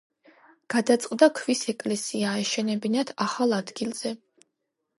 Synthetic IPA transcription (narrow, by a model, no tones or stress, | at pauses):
ɡ̥ad̪at̪sʼqʼd̪akʰvisɛkʼlɛsiaɛʃɛnɛbinad̪ʰaχalˠad̪ɡilˠz̥ɛ